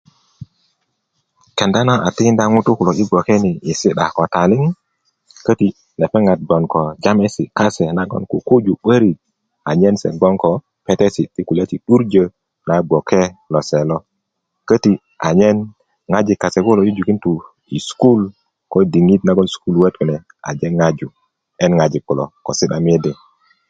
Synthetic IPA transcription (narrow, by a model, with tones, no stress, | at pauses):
ke˨nda˦na˦ʔa˨ti˦i˦nda˦ŋu˦tu˦ku˨lo˨i˦ɡo˨ke˦ni˨i˨si˦ɗa˨ko˨ta˨li˦ŋi˦ | kə˦ti˨ | ne˨pɛ˦ŋa˨t̚ɡɔ˨nko˨d͡ʒa˦me˦si˨ka˦se˨na˦ɡɔ̰˦nku˨ku˦d͡ʒu˨ɓə˦ɾi˨t̚ | a˨ɲe˦nsḛ˨ɡo˦nko˨ | pe˦te˦si˨ti˦ku˨le˦ti˨ɗu˦ɾd͡ʒə˨ | na˨ɡo˨kʰe˦lo˨se˨lo˦ | kə˦ti˨ | a˨ɲe˦n | ŋa˦d͡ʒi˨kːa˨se˨ku˦lo˨ju˦d͡ʒu˨ki˦ntu˨ | ḭ˨sku˦l | ko˦di˨ŋi˦tna˦ɡo˦nsku˦lwe˦tku˨nɛ˨ | a̰˨d͡ʒe˦ŋa˦d͡ʒu˨ | e˦nŋa˨d͡ʒi˨kːu˨lo̰˨ko̰˨si˦ɗa˨m˦e˦dɛ˨